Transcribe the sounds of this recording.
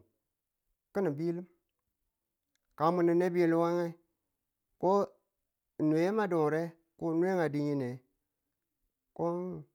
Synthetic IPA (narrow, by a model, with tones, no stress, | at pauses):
ki˦ni˨bi˦li˦m | ka˨mu˨ni˨ne˦bi˦je˨lu˦wa˦ŋa˦ | ko˦˨ | nu˨e˨e˦ma˦do˨ŋ˨ɾe˦ | ko˦nu˦e˦ŋa˨di˦ji˦ne˨ | ko˦n